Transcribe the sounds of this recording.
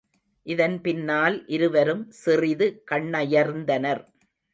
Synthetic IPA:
ʔɪðɐnpɪnːaːlʔɪɾɯʋɐɾɯmsɪrɪðɯkɐɳːɐjɐɾnd̪ɐnɐɾ

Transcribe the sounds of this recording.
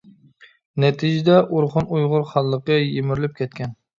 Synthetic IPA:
nɛt̪ʰid͡ʒɪd̪ɛʔuɾχʊnujʁʊɾχɑlˠːəqəjemɪɾlɪp̚kʲʰɛt̪̚kʲɛn

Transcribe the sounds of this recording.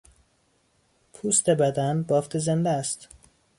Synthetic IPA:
pʰust̪ebæd̪ænbɒːft̪ʰezend̪ææst̪

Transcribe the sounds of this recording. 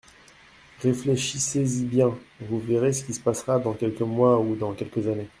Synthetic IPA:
ʁefleʃisezibjɛ̃vuveʁesə̥kʲisə̥pasχad̪ɑ̃kʲɛlkəmwaud̪ɑ̃kʲɛlkəzane

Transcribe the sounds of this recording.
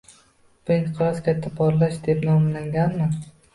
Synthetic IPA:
b̥ʊnqʰlˠazkʲat̪ʰːapʰɒɾlaʃd̪epnɒmlaŋɡʲanmɪ

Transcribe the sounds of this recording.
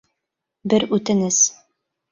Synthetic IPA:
bɘɾʉt̪ɘ̆nɘz

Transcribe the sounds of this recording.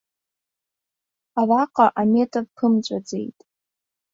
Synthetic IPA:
araqʼaʔame̞tʰʼavpʰɨmt͡ɕʷʼad͡ze̞̰jtʼ

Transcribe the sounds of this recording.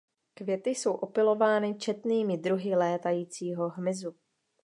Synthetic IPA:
kvjɛt̪ɪso̞wʔo̞pɪlo̞vaːnɪt͡ʃɛt̪niːmɪd̪ɾuɦɪlɛːt̪ajiːt͡siːɦo̞ɦmɪzu

